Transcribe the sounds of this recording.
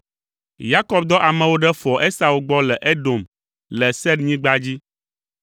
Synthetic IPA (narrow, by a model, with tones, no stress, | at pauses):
ja˦kɔ˦b̚d̪ɔ˦ʔa˨mɛ̃˨wo˦ɖɛ˦fɔ˨ʔe˦sa˨wu˨ɡ͡bɔ˦lɛ˨ʔe˦ɖo˨m | lɛ˨sɛ˦dɲĩ˦ɡ͡ba˦d͡ʑi˦